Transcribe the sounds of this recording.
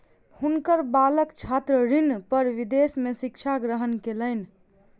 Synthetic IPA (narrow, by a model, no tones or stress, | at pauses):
hunkəɾbaləkt͡ʃʰat̪ɾəɾinpəɾʋid̪esmesikt͡ʃʰaɡɾəɦənkeləɪn